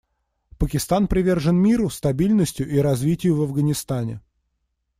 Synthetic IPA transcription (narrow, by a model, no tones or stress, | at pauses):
pəkʲɪst̪anpɾʲɪvʲe̞rʐɨnmʲiɾʊst̪ɐbʲilʲnəsʲtʲjʊʔiɾɐzvʲitʲɪjʊvɐvɡənʲɪst̪anʲɪ̰